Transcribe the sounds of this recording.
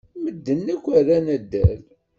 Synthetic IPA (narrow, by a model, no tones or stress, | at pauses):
məd̪ːənːækʷːæɾænæd̪ːæ̰l